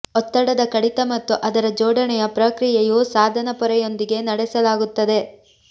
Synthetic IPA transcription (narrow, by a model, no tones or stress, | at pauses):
ɔt̪ːɐɽɐd̪ɐkɐɽit̪ɐmɐt̪ːuʔɐd̪ɐɾɐd͡ʒɔːɽʱɐnɛjɐpɾɐkɾijejusaːd̪ʱɐnɐpɔɾɛjo̞nd̪iɡe̞nɐɽɛsɐlaːɡut̪ːɐd̪e̞